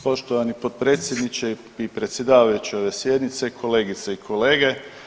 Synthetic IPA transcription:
po̞ʃt̪oʋanipot̪̚pɾe̞ːt̪sʲjed̪nit͡ɕe | ipɾe̞t̪sje̞d̪aːʋajut͡ɕio̞ʋe̞sje̞d̪nit̪se̞kʰo̞le̞ːɡit̪seikʰole̞ːɡe̞

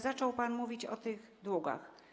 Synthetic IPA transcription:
zat͡ʂɔwpanmuvʲit͡ɕɔ̰t̪ɘɣd̪wɔɡa̰x

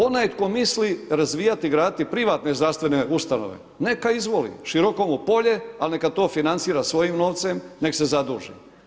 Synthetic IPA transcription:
o̞najt̪ko̞misliɾazʋiːjat̪iɡɾaːd̪t̪ipɾiʋaːt̪ne̞zd̪ɾast̪ʋeneust̪ano̰ʋḛ | ne̞kaizʋo̞lḭʃiɾo̞ko̞mupo̞ʎe̞alnekat̪o̞ːfinant̪siːɾasʋo̞jimno̞ːʋt̪se̞mne̞kse̞zad̪uːʒḭ

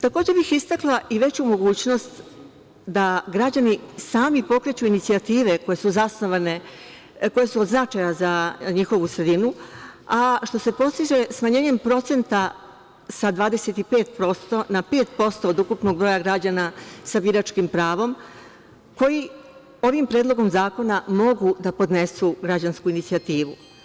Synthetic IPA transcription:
t̪ako̞ːd͡ʑebixist̪aklˠaʔiʋe̞t͡ɕumo̞ɡuːt͡ɕno̞st̪ | d̪aɡɾad͡ʑanisaːmipo̞kɾe̞t͡ɕuinit̪siat̪iːʋe̞ko̞je̞suzasno̞ʋane̞ | ko̞je̞suod̪znat͡ʃajazaɲixo̞ʋusɾe̞d̪inuaʃt̪o̞se̞po̞st̪iʒe̞smaɲe̞ːɲe̞mpɾo̞t̪se̞nt̪a | sad̪ʋaːd̪e̞se̞t̪ipe̞ːt̪̚pɾo̞st̪o̞nape̞ːt̪po̞st̪o̞ːd̪ukupno̞ɡ̚bɾo̞jaɡɾad͡ʑanasabiɾat͡ʃkimpɾaːʋo̞m | ko̞ji | o̞ʋimpɾeːd̪lˠo̞ɡo̞mzaːko̞namo̞ɡud̪apo̞d̪ne̞suɡɾad͡ʑanskuinit̪sijat̪iːʋṵ

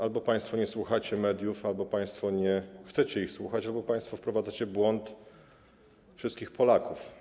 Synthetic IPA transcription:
albɔpaj̃st̪fɔɲɛswuxat͡ɕɛmɛd̪ʲjufalbɔpaj̃st̪fɔɲɛxt̪sɛt͡ɕɛixswuxat͡ɕalbɔpaj̃st̪fɔfpɾɔvad̪at͡ɕɛbwɔnt̪ | fʂɘst̪kʲixpɔlakuf

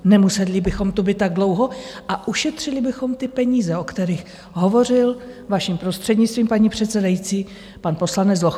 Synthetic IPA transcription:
nɛmusɛlɪbɪxo̞mt̪ubɪt̪ːaɡ̚dlo̞wɦo̞ʔaʔuʃɛt̪r̝̥ɪlɪbɪxo̞mt̪ɪpɛɲiːzɛokt̪ɛɾiːx | ɦo̞vo̞rɪl | vaʃimpɾo̞st̪r̥ɛdɲɪt͡st̪viːmpaɲipr̝̥ɛt̪sɛdajit͡siː | panpo̞slanɛt͡sd͡zzlox

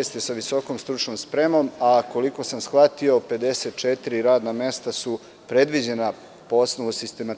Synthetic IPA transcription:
st̪isaʋiso̞ko̞mst̪ɾut͡ʃnomspɾe̞mo̞mako̞liko̞samsxat̪io̞pe̞d̪e̞se̞t̪̚t͡ʃet̪iɾiɾaːd̪namest̪asu | pɾe̞d̪ʋid͡ʑe̞na | poo̞snoʋusist̪e̞ma

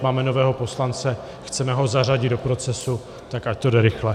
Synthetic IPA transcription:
maːmɛno̞vɛːɦo̞po̞slant͡sɛ | xt͡sɛmɛɦo̞zar̝aɟɪd̪̚dopɾo̞t͡sɛsu | t̪akact̪o̞dɛɾɪxlɛ

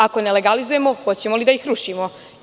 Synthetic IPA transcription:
ako̞neleɡalizuje̞moxo̞t͡ɕe̞molid̪aixɾuʃimo

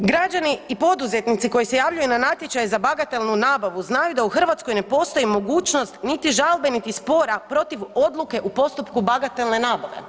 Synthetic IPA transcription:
ɡɾad͡ʑaniipo̞d̪uze̞t̪nit̪siko̞jise̞jaʋʎujunanat̪je̞t͡ɕajezabaɡat̪e̞lˠnunaːbaʋuznajud̪auxr̩ʋat̪sko̞jne̞po̞st̪o̞jimo̞ɡuːt͡ɕnost̪nit̪iʒalbe̞nit̪ispo̞ɾapɾo̞t̪iʋo̞d̪lˠuke̞ʔupo̞st̪upkubaɡat̪e̞lˠne̞naːbaʋe̞̰

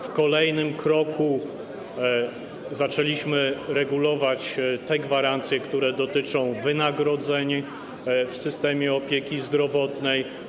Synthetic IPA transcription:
fkɔlɛjnɘmkɾɔkʰu | zat͡ʂɛlʲiɕmɘɾɛɡulɔvat͡ɕt̪ɛɡvaɾant̪sʲjɛkt̪uɾɛd̪ɔt̪ɘt͡ʂɔ̃w̃vɘnaɡɾɔd̪zɛɲ | fsɘst̪ɛmʲjɛɔpʲjekʲizd̪ɾɔvɔt̪nɛj

